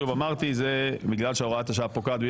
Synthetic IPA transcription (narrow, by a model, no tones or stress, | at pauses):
uvamaʁt̪izebiɡlalʃeuʁat̪aʃeapokad̪bi